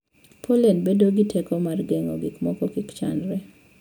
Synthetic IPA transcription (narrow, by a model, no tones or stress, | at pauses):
pʰolenbedoɡitʰekɔmarɡɛŋɔ̰ɡɪkmɔkɔkɪkt͡ʃa̰ndɾɛ